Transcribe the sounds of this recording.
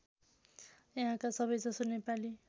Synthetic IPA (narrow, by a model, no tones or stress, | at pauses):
jʌɦãkasʌbʌjd͡zʌsonepali